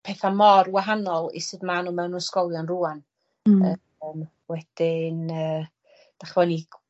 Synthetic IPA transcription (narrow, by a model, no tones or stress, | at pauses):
pʰɛːθamɔrwaɦanɔlˠḭsɨːdmanuːmɛwnunskɔlˠjɔnruːan | ə | m | wɛd̥ɪnəː | d̥aχvɔniɡ